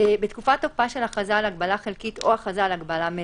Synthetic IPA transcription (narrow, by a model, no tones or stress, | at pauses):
ebetkufatopaʃe̞laχazalaɡbalaχelkito̞aχazalaɡbalame